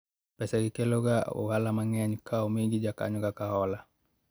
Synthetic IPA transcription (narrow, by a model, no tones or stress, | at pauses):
pɛsaɡikɛloɡaṵwalamaŋɛaɲukʰaumiɡid͡ʒaka̰ɲuɡakaɦɔla